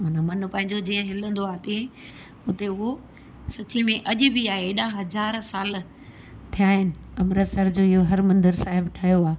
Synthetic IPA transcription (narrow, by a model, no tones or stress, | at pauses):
maːnamɐn̆pɐ̃ɦɪ̃ɲd͡ʑod͡ʑiːə̃ɦɪlə̃nd̪oaːt̪e | ʊt̪eʊɦo | sɐt͡ɕimẽʔɐʄʊ̆bʱɪaːɦeɗaɦɐzaːɾsaːl | t̪ʰijaːɦɪnɪ̆ɐmɾət̪sɐɾd͡ʑoːɪɦoɦɐɾmɐ̃nd̪əɾsaːɦɪbʈʰaːjoaː